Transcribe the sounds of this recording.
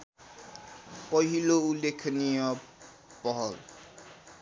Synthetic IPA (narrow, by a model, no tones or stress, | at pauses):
pʌɦiloulekʰnijʌ | pʌɦʌl